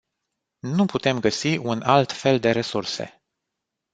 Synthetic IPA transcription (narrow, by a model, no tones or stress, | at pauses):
nuput̪e̞mɡəsiʔunalt̪fe̞ld̪e̞ɾe̞surse̞̰